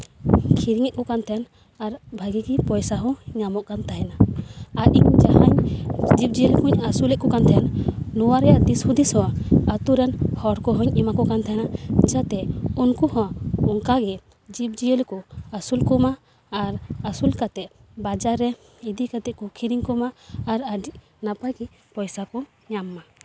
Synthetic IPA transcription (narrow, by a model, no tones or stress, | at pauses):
kʰiɾiŋɛʔ̚kɔkant̪ʰɛn | aɾbʱaɡiɡipɔjsaɦɔ̃ɲamɔʔkant̪ʰaɦɛnaaʔiɲd͡ʒaɦaɲd͡ʒip̚d͡ʒijəlkũɲasulɛʔ̚kɔkant̪ʰɛnnɔwaɾɛjad̪ishud̪isɔwaat̪uɾɛnhɔɽkɔɦɔ̃ɲɛmakɔkant̪ʰaɛnad͡ʒat̪ɛunkuhɔ̃ɔŋkaɡɛ | d͡ʒip̚d͡ʒiəlkɔasulkɔmaː | ɾasulkat̪ɛʔ | bad͡ʒaɾɛ | id̪ikat̪ɛʔ̚kukʰiɾiŋkɔmaːɾaɖiʔ | napajɡɛ | pɔjsakɔ | ɲamːa